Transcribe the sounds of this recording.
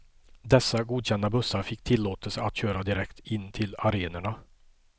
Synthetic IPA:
d̪ɛsːaɡuːd̪ɕɛnd̪abɵsːaɾfɪkːt̪ʰɪlːoːt̪əlsəat̪ɕøːɾad̪ɪɾɛkt̪ɪnːt̪ʰɪlaɾeːnəɳa

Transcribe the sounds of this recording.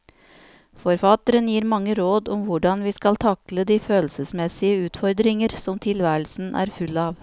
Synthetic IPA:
fɔɾfɑt̪əɾənjiːɾmɑŋːəɾoːd̪ʊmʋʊɖɑnʋiːskɑlt̪ʰɑkləd̪iːføːlsəsmɛsɪəʉːt̪fɔɾd̪ɾɪŋəɾsɔmt̪ʰɪlʋæːɾəlsn̩ʔæ̰ːɾfʉlɑːʋ

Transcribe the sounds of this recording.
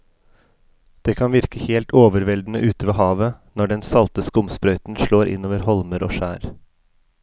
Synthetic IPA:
d̪̥eːkʰɑnʋɪɾkəheːlt̪ʰoːʋəɾʋɛld̪n̩əʔʉːt̪əʋeːhɑːʋənɔɖɛnsɑlt̪əskʊmspɾœʏt̪n̩ʃɭoːɾʔɪ̰noːʋəɾhɔlməɾʔo̰ːʃæːɾ

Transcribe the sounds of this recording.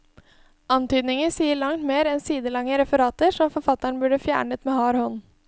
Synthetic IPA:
ɑnt̪yːd̪nɪŋəsiːəɭɑŋt̪meːɾɛnsiːd̪əlɑŋːəɾɛfəɾɑːt̪əɾʂɔmfɔɾfɑt̪ːɑɳ̩bʉɖəfjæ̰ːɳət̪meːhɑːɾhɔnː

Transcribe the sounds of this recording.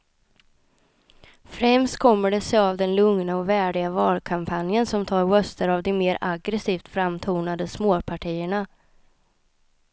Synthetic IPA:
fɾɛmst̪kʰɔmːəɖɛsɛjavd̪ɛnlɵŋnaɔvæːɖɪɡavɑːlkʰampʰanjənsɔmt̪ʰɑːɾwœst̪əɾavd̪ɔmeːɾaɡɾɛsiːft̪fɾamːt̪ʰuːɳad̪əsmoːpʰaʈʰiːəɳa

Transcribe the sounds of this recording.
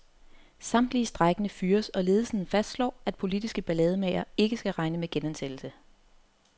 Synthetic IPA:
sɑ̈m̰d̥lisd̥ʁɑɡ̥ənəfyːɐsɒ̽le̝ːð̞̩ˠsən̩fæsd̥slɒ̰ːæd̥pʰo̝lid̥isɡ̥əb̥ælɛːð̞ˠəmɛɪɐe̝ɡ̥əsɡ̥æʁɑ̈ɪnəmeɡ̥enænsed̥l̩sə

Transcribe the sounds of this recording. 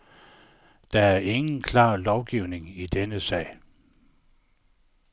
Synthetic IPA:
d̥ɑ̈æɐe̝ŋn̩kʰlɑ̰̈ːlɒʊɡ̥iʊne̝ŋid̥enəsɛ̰ːɪ

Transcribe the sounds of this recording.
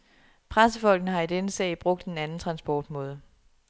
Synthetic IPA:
pʰʁasəfɒ̽l̰ɡ̥nəɦɑ̈id̥enəsɛ̰ːɪb̥ʁɔ̽ɡ̥̚d̥enænn̩t͡sʰʁɑ̈nsb̥ɒːd̥mɔ̽ːð̞ˠə

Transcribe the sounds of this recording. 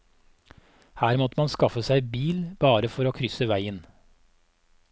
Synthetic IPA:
hæːɾmɔt̪mɑnskɑfəsæɪbiːlb̥ɑːɾəfɔɾoːkʰɾʏsəʋæɪən

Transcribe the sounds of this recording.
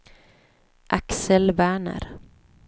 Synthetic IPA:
ʔaksəlvæːɳə̰ɾ

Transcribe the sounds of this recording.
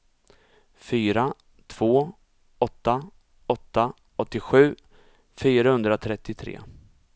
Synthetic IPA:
fyːɾa | t̪ʰv̥oː | ɔt̪ːa | ɔt̪ːa | ɔt̪ːɪɧʉ̟ː | fyːɾahɵnd̪ɾat̪ʰɾɛt̪ːɪt̪ʰɾḛː

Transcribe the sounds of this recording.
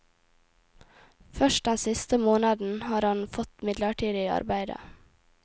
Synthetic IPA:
fœʃt̚d̪ɛnsɪst̪əmoːnɑd̪n̩hɑːɾhɑnfɔt̪mɪd̪ləʈʰiːd̪ɪɑ̰ɾbæɪd̪ə̰

